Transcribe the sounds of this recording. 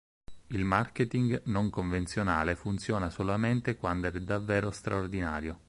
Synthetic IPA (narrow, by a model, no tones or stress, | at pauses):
ilmarket̪iŋɡnoŋkoɱvent̪sjonaːlefunt̪sjɔːnasolament̪ekwand̪ɛɛd̪ːavːɛːɾost̪ɾʔaord̪inaːɾjo